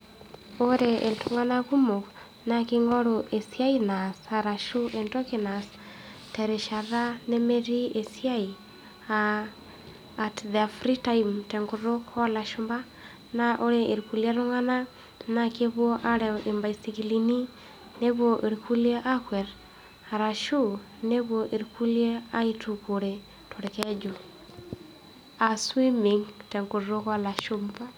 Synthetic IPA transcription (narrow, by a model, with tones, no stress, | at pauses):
o˦ɾee˨ltuŋa˦naku˦mo˨k | nakeŋɔ˦ɾoʔe˨sia˦inasaɾa˨ʃu˦ʔe˨ntɔ˦kina˨s | tɛɾe˨ʃa˨ra˦ne˦meɾi˦e˨sja˦i | a | tðafɾitaimtɛ˨ŋɡuɾokɔ˦la˨ʃumba˦ | na˨ʔo˦ɾe˨ʔi˨ɾku˨lja˦ɾu˦ŋa˦na˦ | na˨ke˦βwo˦ʔa˦ɾɛ˨ʔe˨mba˨isi˨ki˨li˨ni˦ | ne˦βo˨ʔe˨ɾiku˦lje˦ʔa˦kwɛ˨ɾ | a˨ɾa˨ʃu˦ | ne˦βwo˨ʔe˨ɾku˦lje˦a˦i˦tu˨ko˨ɾe˨ | tʰo˨ɾe˨kɛ˦d͡ʒo˨ | a˨swi˦mi˨ŋtɛ˨ŋɡu˨ro˦kwa˦la˨ʃu˦mba˦